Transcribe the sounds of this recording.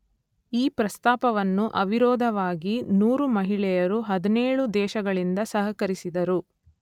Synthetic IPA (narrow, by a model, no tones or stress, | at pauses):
iːpɾɐst̪aːpɐʋɐnːuʔɐʋiɾɔːd̪ʱɐʋaːɡinuːɾumɐɦiɭɛjɐɾuɦɐd̪ɐneːɭud̪ɛːʃɐɡɐɭind̪ɐsɐɦɐkɐɾisid̪ɐɾu